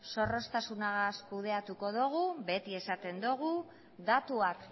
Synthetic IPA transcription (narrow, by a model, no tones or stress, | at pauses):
so̞ro̞st̪asunaɣaskuðe̞at̪uko̞ðoɣ̞uβe̞t̪ie̞sat̪e̞nd̪uɣu | ðat̪uak